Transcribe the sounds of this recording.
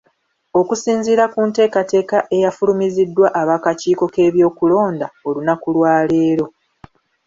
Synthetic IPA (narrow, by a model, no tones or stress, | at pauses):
o̞kusiːnziːɾakunte̞ːkate̞ːkaʔe̞jafulumizidːwaʔaβaːkaciːko̞ke̞ːβjo̞ːkulo̞ːndao̞lunakulwaːle̞ːɾo̞